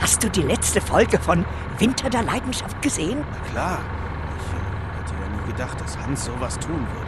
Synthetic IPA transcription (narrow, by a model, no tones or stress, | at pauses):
hast̚d̥uːdiːlɛt͡stəfɔlɡəfɔn | vɪntʰɐdeːɐlaɪdn̩ʃaft̚ɡ̥əzeːənnakl̥aːɐ | ʔɪçə | hatʰədaniːɡədaχt̚d̥ashansz̥oːvastʰuːnvɪɐtə